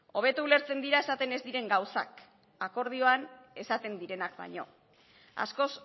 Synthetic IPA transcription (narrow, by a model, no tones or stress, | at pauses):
o̞β̞e̞t̪uule̞ɾt͡se̞nd̪iɾae̞sat̪e̞ne̞zd̪iɾe̞ŋɡawsa̰k | ako̞ɾð̞io̞ane̞sat̪e̞nd̪iɾe̞nakba̰ɲo̞ | a̰sko̞s